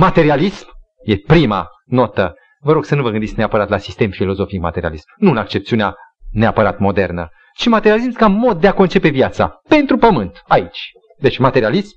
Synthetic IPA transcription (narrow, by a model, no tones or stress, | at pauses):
mat̪e̞ɾialism | jepɾima̰ | no̞t̪ə | vəɾo̞ɡsənuvəɡɨnd̪itsʲneapəɾat̪lasist̪e̞mfilo̞zo̞fik̚ma̰t̪e̞ɾia̰lismnuɨnakt͡ʃe̞pt̪siunea | neapəɾat̪mo̞d̪e̞rnə̰ | t͡ʃimat̪eɾijaliskamo̞d̪̚ːeako̞nt͡ʃe̞pe̞vjat̪sa̰pe̞nt̪ɾupəmɨnt̪ait͡ʃʲ | d̪et͡ʃʲmat̪e̞ɾialism